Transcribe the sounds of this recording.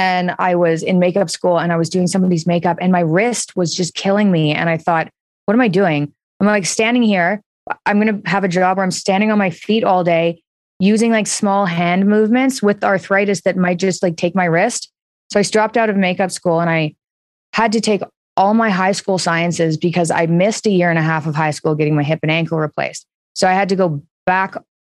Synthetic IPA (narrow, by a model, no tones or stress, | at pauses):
ɨ̃na̰ɪwʌzɪ̃nmeɪkʌpskulˠə̃naɪwʌzdʉɪ̃ŋsʌ̃mbʌɾizmeɪkʌpɨ̃nmaɪɹɪst̚wʌzd͡ʒʌskʰɪlˠɪ̃ŋmiɨ̰̃ɾ̃aɪθɔt̚ | wʌɾə̃maɪdʉɪ̃ŋ | ãɪ̃malaɪkstæ̃ndɪ̃ŋhiɹ | ʔãɪ̃mɡʌñɨəvɨd͡ʒɑbə˞ãɪ̃mstæ̃ndɪ̃ŋə̃nmaɪfiɾɔlˠdeɪ | jʉzɪ̃ŋlaɪksmɔlˠɦæ̃nmʉvmɨ̃ntswɪðɑɹθɹaɪɾɨsðɨt̚maɪt̚d̥ʒ̥ʌst̚laɪk̚tʰeɪk̚maɪɹɪst | soʊaɪsdɹ̥ɑp̚taʊɾʌvmeɪkʌpskulˠə̃ñaɪ | həd̚tɨtʰeɪk | ɔlˠmaɪɦaɪskulˠsaɪɨ̃nsɪzbɨkʰʌza̰ɪmɪstɨjɪɹɨ̃ñɨɦæfʌv̥ɦaɪskulˠɡɛɾɪ̃ŋmaɪɦɪpɨ̃næ̃ŋkl̩ˠɹipʰl̥ḛɪst | soʊaɪɨd̚tɨɡoʊ | b̥æk